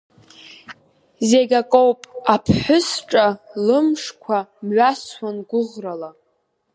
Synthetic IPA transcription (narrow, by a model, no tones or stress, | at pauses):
zeɡʲakʼowpʼapʰħʷʊsʈ͡ʂʼalɨmʂkʷʰamɥaswanɡʷʊʁrala